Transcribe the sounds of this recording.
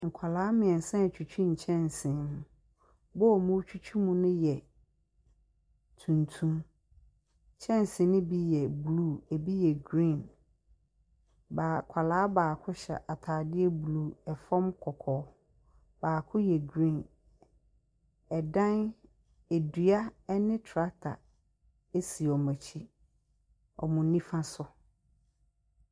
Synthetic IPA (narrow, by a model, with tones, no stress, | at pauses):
ŋ̩˨kʰa˨laː˨˦mɪ̃˨ɛ̃˨n̩˨sã˦˨t͡ɕʰᶣu˨t͡ɕʰᶣĩ˦ɲ̩˨t͡ɕʰɛ̃˦n˨sɪ̃˨mʊ̃˨ | bɔ˦˨mũ˦t͡ɕʰᶣu˦t͡ɕᶣʰu˦mũ˦nʊ̃˦jɛ˨ | tʰũ˨ntʰũ˦m˨ | t͡ɕʰɛ̃˦n˨sɪ̃˨˦nʊ̃˦bi˦jɛ˨bluː˦˨e˨bi˦jɛ˨ɡɾĩ˦˨n | baː˨kʷʰa˨laː˨˦baː˨kʰʊ˦ɕɛ̰˨ʔa˨tʰaː˨dɪ˦ɛ˦blu˦˨ɛ˨fɔ̃˦mkʰɔ˨kʰɔː˨˦ | baː˨kʰʊ˦jɛ˨ɡɾĩ˦˨n | ɛ˨dã˦n | e˨dɥa˦ɛ˦nɪ̃˦tʰɾa˦tʰa̰˨ | e˦si˨ɔ˨mæ̃˨t͡ɕʰi˦ | ɔ̰˨mʊ̃˨nĩ˦fã˦sʊ˨